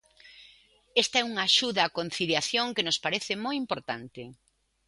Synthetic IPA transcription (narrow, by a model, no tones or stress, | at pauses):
ɛst̪ɐɛuŋaːʃuðɐːkon̟θiljaθjoŋkenʊspaɾeθɪmojimpoɾt̪ant̪ɪ